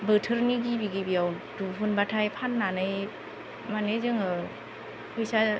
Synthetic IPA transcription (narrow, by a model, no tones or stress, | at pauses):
bɯtʰɯɾniɡibiɡibiawnduɦɯnbatʰajpʰanːanɯj | manezɯŋɯ | pʰɯjsa